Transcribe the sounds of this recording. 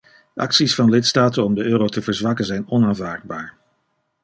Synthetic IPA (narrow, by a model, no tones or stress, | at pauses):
ʔɑ̰ksisfɑnlɪtstaːtənɔmdəʔøːɾowtəvəɹzʋɑkənzɛjnɔnaːnvaːɹd̚baːɹ